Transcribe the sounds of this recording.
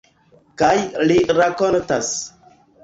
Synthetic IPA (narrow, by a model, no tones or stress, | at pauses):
kajliɾako̞ntas